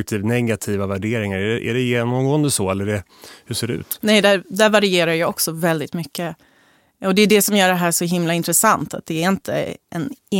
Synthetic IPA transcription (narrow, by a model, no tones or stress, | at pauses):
k̚t̪ʰiːvnɛɡat̪ʰiːvavæɖeːɾɪŋaɾɛɛʔæ̰ɖɛjeːnɔmɡoːənd̪əsɔɛlːəɖɛ | hɵʂseːɖɛʉ̰ːt̪nɛjd̪æɾd̪æɾvaɾɪeːɾaɾjɑːɔksɔvɛld̪ɪt̪mʏkːə | ɔd̪ɛd̪ɛsɔmjœːɖɛɦæːʂɔɦɪmlaɪnt̪ɾəsant̪at̪̚d̪ɛːɾɪnt̪ʰə̰ʔɛ̰nː